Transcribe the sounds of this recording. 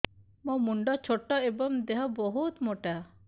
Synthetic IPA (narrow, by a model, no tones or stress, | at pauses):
mɔ̃muɳɖɔt͡ʃʰoʈːɔebɔmd̪ɛɦɔbɔɦut̪mɔʈa